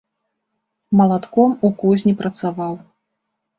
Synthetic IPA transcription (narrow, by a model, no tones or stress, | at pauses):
mɐlˠat̪kɔmukɔzʲnʲipɾɐt̪savaw